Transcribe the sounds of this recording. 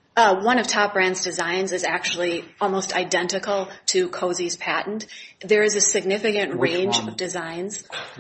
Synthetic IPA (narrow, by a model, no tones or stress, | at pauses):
wʌ̃nʌv̥tʰɑp̚b̥ɹæ̃ndzdɨzãɪ̃nzɨzæk̚t͡ʃul̩ˠiɔlˠmoʊstʰa̰ɪdɛ̃ntɨkl̩ˠtʰɨkʰoʊziz̥pʰæʔn̩ðə˞ɨzɨsɨɡ̚nɪfɨkɨ̃nʔɹẽɪ̃nd͡ʒʌvdɨzãɪ̃nz̥